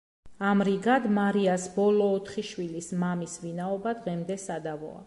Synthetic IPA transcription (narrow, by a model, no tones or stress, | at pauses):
amɾiɡad̪maɾiasbɔlˠɔːt̪ʰχiʃwilismamisvinaɔbad̪ʁɛmd̪ɛsad̪avɔ̰a̰